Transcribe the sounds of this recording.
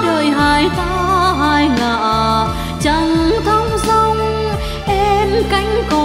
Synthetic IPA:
ɗəː˨˩jɦaː˧˩jt̪ʰaː˧˦ɦaː˧˩jŋaː˧˨˩ʔ | t͡ɕə˧˩ŋt̪ʰə˧˦wŋ͡msə˧wŋ͡m | ʔɛ˧mka˧˦jŋ̟kɔ˨˩

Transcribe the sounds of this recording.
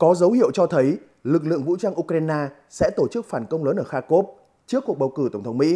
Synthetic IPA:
kɔ˨˦zə˨˦whḭ˧˨əwt͡ɕɔ˧t̪ʰə˨˦j | lɨ˨˩k̚lɨ̰˧˨əŋvṵ˧˥t͡ɕaː˧ŋʔu˧kɾaː˧jnaː˧ | sɛ̰˧˥t̪o˧˩t͡ɕɨ˦˥k̚faː˧˩nkə˧wŋ͡mləː˨˦nʔəː˧˩xaː˧ko˦˥p̚ | t͡ɕɨ˦˥əkːu˨˩ɓwkɨ˧˩t̪ə˧˩wŋ͡mt̪ʰə˨˦wŋ͡mmḭ˧˥

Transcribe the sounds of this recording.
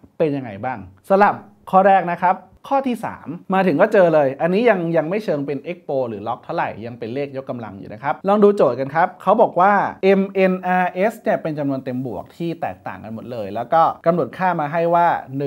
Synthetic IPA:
pe˧nja˧ŋːa˧jbaː˥˩ŋsa˧la˨˩p̚ | kʰɔː˥˩ɾɛː˥˩k̚na˦˥kʰa˦˥p̚ | kʰɔː˥˩t̪ʰiː˥˩sa̰ː˩˦mːaː˧t̪ʰɯ˨˩˦ŋkɔː˥˩t͡ɕɤː˧lɤː˧jʔa˧nːiː˦˥ja˧ŋja˧ŋma˥˩jt͡ɕʰɤː˧ŋpe˧nʔe˦˥k̚poː˧ɾɯ̰ː˩˦lɔ˦˥k̚t̪ʰa˥˩wɾa̰˨˩jːa˧ŋpe˧nleː˥˩k̚jo˦˥kːa˧mla̰˧ŋjṵː˨˩na˦˥kʰa˦˥p̚lɔː˧ŋduː˧t͡ɕoː˨˩t̪̚ka˧nkʰa˦˥p̚kʰa˦˥wbɔː˨˩k̚waː˥˩ʔe˧mʔe˧nʔaː˧ʔe˦˥sni˥˩ɐpe˧nt͡ɕa˧mnu˧ənt̪e˧mbu˨˩ək̚t̪ʰiː˥˩t̪ɛ̰ː˨˩k̚t̪a̰ː˨˩ŋka˧nmo˨˩t̪̚lɤː˧jlɛː˦˥wkɔː˥˩ka˧mnu˨˩ət̪̚kʰaː˥˩maː˧ɦa˥˩jwaː˥˩n˨˩

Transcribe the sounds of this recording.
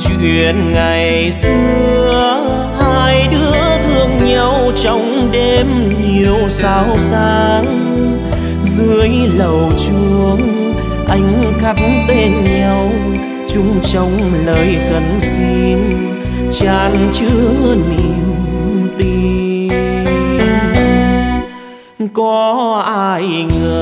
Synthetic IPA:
t͡ɕwḭ˧˨ənŋa˨˩j | sɨ˧əəə | haː˧jɗɨ˨˧˦ət̪ʰɨ˧əŋɲa˧wt͡ɕɔ˧˦wŋ͡m | ɗe˧m | ni˨˩əwsaː˧˨˧wsaː˧˩ŋ | zɨ˧˦əjlə˨˩wt͡ɕu˧˩əŋ | ʔa˧jŋ̟ka˦˥t̚t̪e˧nɲa˧w | t͡ɕʊ˨˧˦ŋ͡mt͡ɕɔ˨˧wŋ͡mləː˨˩jkə˨˩nsi˧n | t͡ɕaː˧˩nt͡ɕɨ˧˦əəni˨˩mt̪i˧ | kɔ˨˧˦ʔaː˧jŋəː˨˩

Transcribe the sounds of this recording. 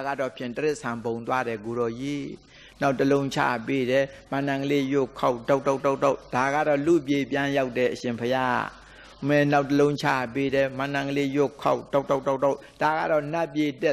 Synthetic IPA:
ɡa̰˦˨dɔ˦˨pʰjɪ̃˦˨t̪ə˦ɾɪ˦ʔsʰã˨bõ˨nt̪wa˦ɾɛ˨k̬o˨ɾɔ˨jḭ˦˨ | na˦ʊtːəlõ˦ʊ̃ɲt͡ɕʰa̰˦˨pe˦ɾɛ˨ | mã˨nã˨ŋɡəle˦jʊ˦˨kʰa˦˨ʔda˦˨ʔtʰo˦˨ʔtʰo˦˨to˦˨ʔd̥a˨ɡa̰˦˨ɾɔ˦˨lṵ˦˨ʔp̬je˨pjã˦ja˦ʊtːɛ˨ʔəʃɪ̃˨mpʰəja˦ | mɛ˨na˦ʊtːəlõ˦ʊ̃t͡ɕʰa̰˦˨pe˦ɾɛ˨mã˨nã˨ŋɡəle˦jʊ˦ʔkʰa˦˨ʔdo˦˨to˦˨tto˦˨ | d̥a˨ɡa̰˦˨ɾɔ˦˨na˦ʔpje˨tɛ˦˨

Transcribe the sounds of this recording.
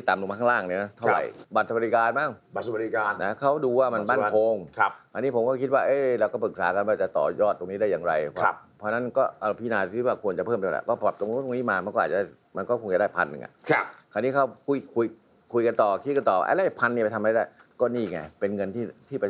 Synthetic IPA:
i˥˩t̪aː˨˦mlu˧˨a˧kʰa˥˩laː˥˩ŋni˧˩na˦˥t̪ʰa˥˧˩wɾa̰˨˩jba˨˩t̪̚sa˧ba˧ɾi˧kaː˧nmaː˥˩ŋ˨˩sli˧kaː˧na˦˥kʰa˦˥wduː˧waː˥˩ma˧naː˥˩nkʰo˧ŋkʰkʰaː˨˧˩niː˦˥pʰo˩˦mkɔː˥˩kʰi˦t̪̚waː˥˩ʔeː˧˥˩ɾɛː˧wkɔː˥˩pɯ˨˩k̚saː˨˦ka˧nwaː˧˩t͡ɕa˨˩t̪ɔ̰ː˨˩jɔː˥˩t̪ːo˧ŋniː˦˥daː˥˩jːaː˨˩ŋɾa˧jʰɔ˦˧˩pʰɔː˧na˦˥nkɔː˥˩ʔa˧˩pʰiː˧˩naː˧˩˧ki˦˥t̪̚waː˥˩kʰu˧ənt͡ɕa˨˩pʰɤː˥˩mːʰ˧˩l̰a̰˨˩kɔː˥˩pa˨˩p̚t̪o˧ŋ˧˦˥t̪o˧ŋniː˦˥maː˧ma˧nkɔ˥˩ʔːt̚a˩da˥˩ | ma˧nkɔː˥˩kʰo˧ŋt͡ɕa˨˩da˥˩pʰa˧nːɯ̰˨˩ŋʔa̰˨˩˦kʰaː˧˩niː˦˥kʰa˦˥wkʰu˧jkʰu˧j | kʰu˧jka˧nt̪ɔː˨˩kʰi˦˥t̪̚ka˧nt̪ɔː˨˩˧ʔa̰˧˩la˦˥˩pʰa˧ni˧˩a˧t̪ʰm˧a˧˥˩daː˧˥˩kɔː˥˩niː˥˩ŋa̰˧˩pe˧nŋɤ˧nt̪ʰiː˥˩t̪ʰiː˥˩pa˧

